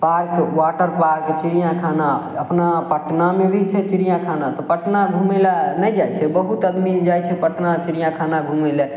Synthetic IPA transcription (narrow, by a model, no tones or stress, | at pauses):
paɾkwaʈəɾpaɾkt͡ʃiɾijãkʰanaəpnapəʈnamebʱit͡ʃʰɛt͡ʃiɾijãkʰanat̪ɔpəʈnabʱumelanɛd͡ʒajt͡ʃʰɛbəɦut̪əd̪mid͡ʒajt͡ʃʰɛpəʈnat͡ʃiɾijãkʰanabʱumela